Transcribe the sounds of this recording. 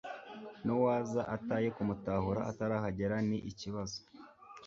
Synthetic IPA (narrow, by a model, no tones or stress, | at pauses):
nowaːzaʔataːje̞kumutaːhuɾaʔataɾaːhaɟe̞ɾaniʔiciβazo̥